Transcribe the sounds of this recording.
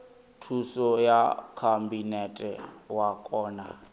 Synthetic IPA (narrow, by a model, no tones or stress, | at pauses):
tʰusɔjakʰambinɛtʼɛ̰wakʼɔːna̰